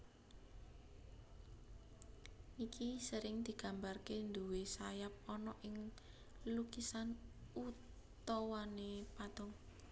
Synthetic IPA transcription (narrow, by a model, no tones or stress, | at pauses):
ʔikisəɾɪŋd̪̥i̤ɡ̥a̤mbarkend̪uwesajap̚ɔnɔʔɪŋ | lukisanut | t̪ɔwanepad̪̥ɔŋ